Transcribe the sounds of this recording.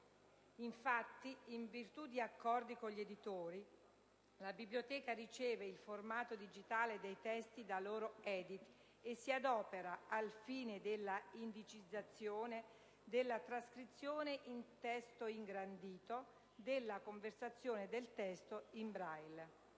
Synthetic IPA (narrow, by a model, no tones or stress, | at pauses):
iɱfat̪ːiiɱvirt̪ud̪iakːɔrd̪ikoʎːed̪it̪oːɾi | labiblijot̪ɛːkaɾit͡ʃɛːveilformaːt̪od̪id͡ʒit̪aːled̪ejt̪ɛst̪id̪aloːɾoɛːd̪it̪ | esːiad̪ɔːpeɾaalfiːned̪elːaind̪it͡ʃid̪zːat̪sːjoːne | d̪elːat̪ɾaskɾit̪sːjoːneʔint̪ɛst̪oiŋɡɾand̪iːt̪o | d̪elːakoɱversat̪sːjoːned̪elt̪ɛst̪oimbɾajl